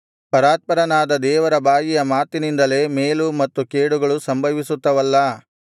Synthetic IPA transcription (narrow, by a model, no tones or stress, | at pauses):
pɐɾaːt̪̚pɐɾɐnaːd̪ɐd̪ɛːʋɐɾɐbaːjijɐmaːt̪inind̪ɐle̞ːmeːlumɐt̪ːukeːɽuɡɐɭusɐmbʱɐʋisut̪ːɐʋɐlːɐ